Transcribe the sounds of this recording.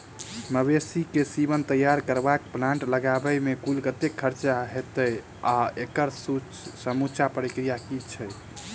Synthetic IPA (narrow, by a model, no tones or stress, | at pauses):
məbesikesibənt̪əjaɾkəɾbakplãɳʈləɡabəjmekulkət̪ekʰːəɾt͡ʃaɦet̪əj | aekəɾs | səmut͡ʃʰapɾikɾijakit͡ʃʰɛ